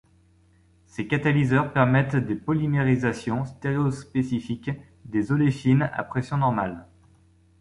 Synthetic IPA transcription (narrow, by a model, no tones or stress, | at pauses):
sekat̪alizœʁpɛʁmɛt̪d̪epɔlimeʁizasjɔ̃st̪eʁeospesifik | d̪ezɔleʃina̰pχesjɔ̃nɔʁmal